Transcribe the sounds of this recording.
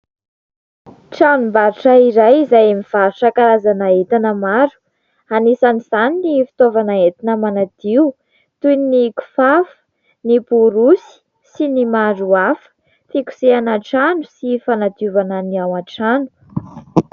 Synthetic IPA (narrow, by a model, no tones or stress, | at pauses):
ʈ͡ʂanumbaɾuʈ͡ʂaiɾajizajamiv̥aɾuʈ͡ʂakaɾazanaet̪anəmaɾu̥ | anisaniz̥aninifi̥t̪ovanaet̪inəmanad̪̥iu | t̪ujniniku̥fafə̥ | nipuɾusi̥ | sinimaɾuafə̥ | fiku̥seanaʈ͡ʂanusifanad̪uvananiawaʈ͡ʂanu̥